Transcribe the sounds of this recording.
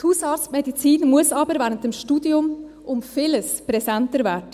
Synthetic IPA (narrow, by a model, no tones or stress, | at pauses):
thuːsɑːɾt͡stmedit͡siːnmʊəsɑːbəɾvɛːɾəntəmʃtuːdiʊmʔʊmfiːləspʁɛsɛntəɾvɛːd